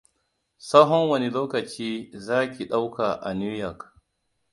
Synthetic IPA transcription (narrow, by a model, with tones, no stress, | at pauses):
sɐ˦ɦɔ˦ŋwɐ˦ni˨loː˦kɐ˨t͡ʃiː˦zaː˦kʲi˨ɗa˦wka˨ʔa̰˨ni˦ɾjɐ˨k